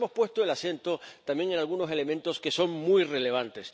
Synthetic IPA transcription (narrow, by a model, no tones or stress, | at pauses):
mo̞spwe̞st̪oe̞lasje̞nt̪o̞t̪amje̞ŋe̞nalɣuno̞se̞le̞mẽ̞nt̪o̞ske̞so̞ŋmujre̞le̞β̞ant̪e̞s